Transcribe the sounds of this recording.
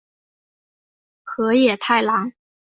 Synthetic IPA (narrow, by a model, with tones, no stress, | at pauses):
xɤ˧˥jɛ˨˩t̪ʰa˥˩ɪlɑ˧˥ŋ